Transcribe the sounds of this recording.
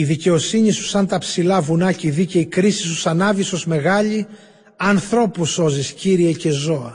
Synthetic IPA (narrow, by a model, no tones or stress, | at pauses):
iðice̞o̞siɲisu̥sɐnt̪ɐpsilɐvunɐciðice̞ikɾisisu̥sɐnɐviso̞zme̞ɣɐʎi | ɐnθɾo̞puso̞zisciɾie̞ce̞zo̞ɐ